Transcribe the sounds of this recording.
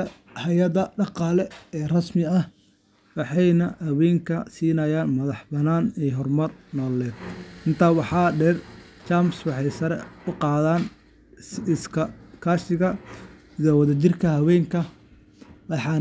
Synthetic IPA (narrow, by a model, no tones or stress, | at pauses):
ɐ | hɐjɐðɐɖɑqɑːlɛɛːrɐsmɪɐh | wɑħɑjnɐhɐwɛːŋkʰɐsiːnɐjaːnmɐðɑħbɐnaːnɛːɦɔrmɐrnɔːlɛːd̪̚ɪnt̪ʰaːwɑħɑːɖɛr | t͡ʃaːmswɑħɑjsɐɾɛ̰ʊqɑːðaːn | ɪskʰɐkʰaːsɪɣɐ | zɐwɐðɐt͡ʃɪrkʰɐhɐwɛːŋkʰɐ | wɑħɑː